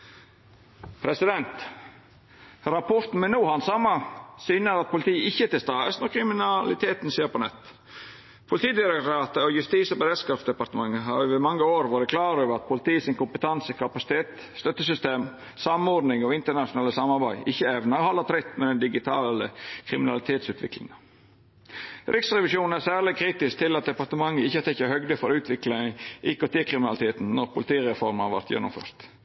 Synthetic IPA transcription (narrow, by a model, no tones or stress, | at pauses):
pʰɾɛsɪd̪ɛnt̪ | ɾɑpʰɔɾt̪n̩mɛnuːhɑnsɑmːɑsyːnəɾɑt̪̚pʊlɪt̪ʰiːɪçːət̪ɪlst̪ɑːəsnɔkɾɪmɪnɑlɪt̪ʰeːt̪nseːɾpɔnɛt̪ː | pʰʊlɪt̪ʰiːd̪ɪɾʊkt̪ɾɑːt̪əɔjʉst̪iːsɔbəɾɛd̪skɑːfsd̪ɛpɑɾt̪əmɑŋːəɦɑːʋɪmɑŋːəoːɾʋɑːɾəkʰlɑːɾøːʋəɾɑt̪̚pʰʊlɪt̪iːəsɪnkʊmpət̪ʰɑnsəkʰɑpɑsɪ̥t̪ʰeːt̪ | st̪œt̪ːəsʏst̪eːm | sɑmɔɾd̪nɪŋɔɪnt̪əɳɑʂʊnɑːləsɑmɑɾbæɪʔɪçːəɛʋnɑhɑlɑt̪ʰɾɪt̪ːmɛd̪ɛnd̪ɪɡɪt̪ʰɑːləkʰɾɪmɪnɑlɪt̪ʰeːt̪sʉːt̪ʰʋɪ̰klɪ̰ŋɑ | ɾʔɪksɾɛʋɪʂuːnn̩æɾsæːɾlɪkʰɾiːt̪ɪsk̚t̪ʰɪlɑt̪̚d̪ɛpɑɾt̪əmɑŋːəɪçːət̪ɛkːəhœɡd̪əfɔɾʉːt̪ʰʋɪklɪŋəʔɪkot̪iːkʰɾɪmɪnɑlɪt̪ʰeːt̪n̩nɔɾpʰʊlɪt̪ʰiːɾɛfɔɾmhɑʋæ̰ɾt̪jɛ̰nːʊ̰mfø̰ːɾt̪